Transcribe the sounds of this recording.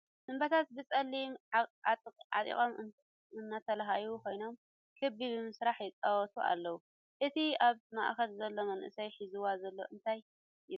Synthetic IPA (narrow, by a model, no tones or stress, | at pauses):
sɨmbɐt̪ʰat̪̚bɨt͡sʼɐlːimʼ | ʕa̰t̪ʼḭkʼom | ɨnːat̪ʰɐlaɦajukʰo̞jno̞m | kʰɨbibɨmɨsɾaħjɪt͡sʼawɔt̪ʰuʔa̰lːɐwu | ʔɨt̪ʰiaβma̰ʔxɐlzɐlːo̞mɐnʔɨ̰sɐjħizɨwazɐlːo̞̰ʔɨnt̪ʰajː